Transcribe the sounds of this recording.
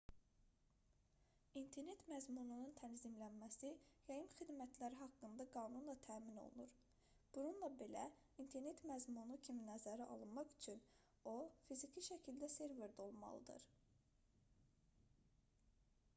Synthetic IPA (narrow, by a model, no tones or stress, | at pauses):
int̪ʰe̞ɾne̞t̪mæzmunununt̪ʰænzimlænmæsijɑjɯnχid̪mæt̪ʰlæɾiɦɑkːɯnd̪ɑɡɑːnunlˠɑt̪ʰæːmino̰lˠṵnuɾ | b̥ununlˠɑbe̞læ | int̪ʰe̞ɾne̞t̪mæzmunucʰiminæzæɾiʔɑ̰lˠɯnmɑχyt͡ʃʰyn | o̞fizicʰiʃæcʰild̪æse̞ɾve̞ɾd̪o̞lˠmɑ̰lˠɯd̪ɯ̰ɾ̥